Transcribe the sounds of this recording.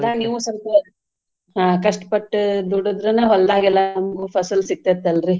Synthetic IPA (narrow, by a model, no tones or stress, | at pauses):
aniːʋusɐɾt̪e | ɦaːkɐʂʈpɐʈːd̪uːɽod̪ɾɐnɐɦɔld̪aːɡilːɐnɐmɐɡupʰɐsɐlsik̚t̪et̪ːɐlɾi